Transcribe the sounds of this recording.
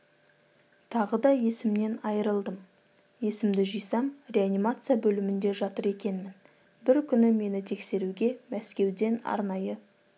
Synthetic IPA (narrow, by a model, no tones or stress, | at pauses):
t̪ʰɑʁəd̪ɑje̞sɪmne̞nɑjəɾəlˠd̪əm | je̞sɪmd̪ɪʒijsɑmrʲe̞animat̪sɨjabɵlɪmɪnd̪e̞ʒɑt̪əɾe̞kʲe̞nmɪn | bɪɾkʲʰʏnɪme̞nɪt̪ʰe̞kse̞ɾuɡʲe̞mæskʲe̞wd̪e̞nɑ̰ɾnɑjə